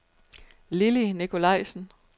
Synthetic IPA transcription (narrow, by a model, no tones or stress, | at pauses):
lilinikʰo̝lɑ̈ɪ̰sn̩